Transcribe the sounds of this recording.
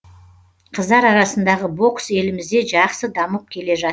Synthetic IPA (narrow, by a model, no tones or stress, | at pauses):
qʰəzd̪ɑɾɑɾɑsənd̪ɑʁəbo̞kse̞lɪmɪzd̪e̞ʒɑqsəd̪ɑməp̚kʲʰe̞le̞ʒɑ